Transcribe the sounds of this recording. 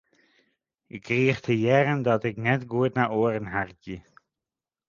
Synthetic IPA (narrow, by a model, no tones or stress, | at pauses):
ɪkːriəχtʰəjɛrəndɑtɪknɛtɡuətnaːoːərənɦarɡi